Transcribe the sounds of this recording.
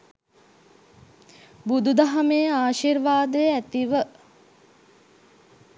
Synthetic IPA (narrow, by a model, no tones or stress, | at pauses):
bud̪ud̪aɦɐmejaːʃiɾʋaːd̪əjæt̪iʋə